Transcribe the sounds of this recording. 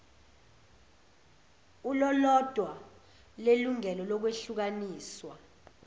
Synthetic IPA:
ulɔlɔd̥ʱwa | leluŋɛlɔlɔk̬weɬuk̬aniːswa

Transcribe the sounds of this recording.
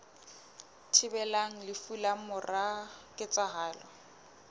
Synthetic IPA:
tʰɪbɛlaŋ̩lɪfulamʊrakʼɪt͡sʼaɦaːlɔ

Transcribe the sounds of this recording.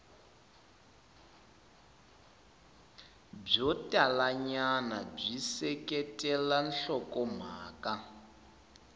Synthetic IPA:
b͡ʐɔtʼalaɲanab͡ʐisɛkʼɛtʼɛlan̩ɬɔkʼɔm̤aːkʼa

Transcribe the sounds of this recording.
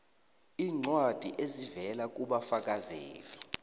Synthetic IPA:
iːŋ͡ǀwad̥ʱiʔezivɛlak̬ʼuɓafak̬ʼazeːli

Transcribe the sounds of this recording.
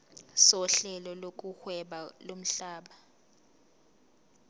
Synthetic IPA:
sɔɬɛlɔlok̬ʼuxwɛɓalom̩ɬaːɓa

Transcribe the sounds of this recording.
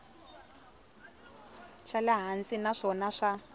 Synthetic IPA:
ʃalaɦansinaʂɔnaʂa

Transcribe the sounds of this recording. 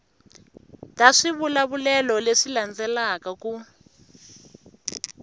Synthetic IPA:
taʂiβulaβulɛlɔleʂiland͡zɛlakaku

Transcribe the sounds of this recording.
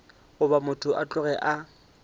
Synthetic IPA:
ʊbamʊtʰʊʔat͡ɬʼʊɣɛʔa

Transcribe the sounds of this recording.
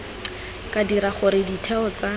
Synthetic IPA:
kʼadiɾaχʊɾɪditʰɛɔt͡sa

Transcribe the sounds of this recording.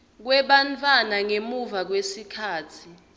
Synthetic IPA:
k̬wɛɓant͡fʼwanaŋemuvak̬wesikʰaːtʰi

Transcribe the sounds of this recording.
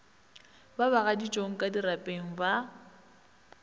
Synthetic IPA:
babaɣadit͡ʃʼoŋ̩kʼadirapʼeŋ̩ba

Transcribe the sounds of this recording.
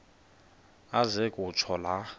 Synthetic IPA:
azekʼut͡ʃʰɔla

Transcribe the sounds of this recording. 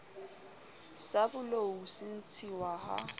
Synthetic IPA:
sabʊlousɪn̩t͡sʰiwaha̰

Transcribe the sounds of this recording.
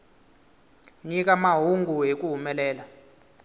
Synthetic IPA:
ɲik̬ʼamaɦuŋɡʱuɦek̬ʼuɦumɛlɛːla

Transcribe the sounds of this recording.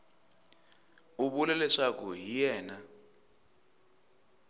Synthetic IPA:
uɓulɛlɛʂak̬ʰuɦijɛːna

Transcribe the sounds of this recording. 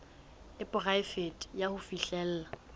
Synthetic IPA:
ɪpʼʊraɪfetʼjahʊfiɬɛl̩ːla

